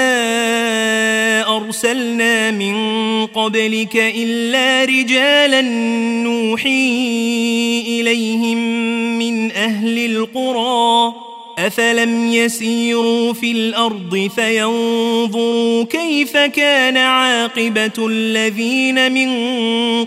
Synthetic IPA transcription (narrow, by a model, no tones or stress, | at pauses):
a | ʔɑɾˤsalnaːmɪnqɑblɪkaʔɪlːaːɾɪd͡ʒaːlanːuːħiː | ʔɪlajhɪmːɪnʔahlɪlqʊɾˤɑː | ʔafalamjasiːɾuːfilʔɑɾˤd̪ˤɨfajɑnðˤʊɾuːkajfakaːnaʕɑːqɨbaalːaðiːnamɪn